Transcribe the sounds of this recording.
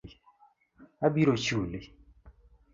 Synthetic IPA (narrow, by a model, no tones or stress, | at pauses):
abiɾot͡ʃuli